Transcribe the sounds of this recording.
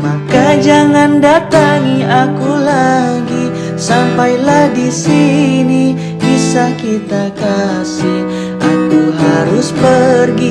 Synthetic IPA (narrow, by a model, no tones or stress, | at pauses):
makad͡ʒaŋandat̪aŋiakulaɡi | sampajlahdisini | bisakit̪aka | si | akuɦaɾuspərɡi